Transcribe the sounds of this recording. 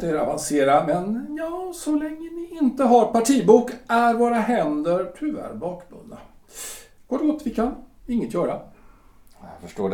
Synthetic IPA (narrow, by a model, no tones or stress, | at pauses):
t̪əæɾa̰vanseːɾamɛnjɑːsɔlɛŋːənɪʔɪnt̪əɦaɾpʰaʈʰiːbuːkæɾvoːɾaɦɛnd̪əɾʈʰʉvæ̰ɾbɑːkbɵ̰nd̪a | ɡ̥oːʈɡoːt̪vɪkʰanɪŋːət̪jœːɾa | fœʂʈoː